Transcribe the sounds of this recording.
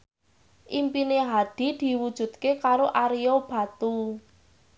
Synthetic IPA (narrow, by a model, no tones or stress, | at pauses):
ʔimpineɦad̪̥i̤d̪̥i̤wud̥ʒ̥ṳt̪̚kekaɾoʔaɾijob̥a̤t̪u